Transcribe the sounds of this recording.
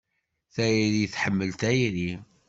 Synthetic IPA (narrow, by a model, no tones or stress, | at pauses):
θæjɾiθħəmːəlt̪æjɾi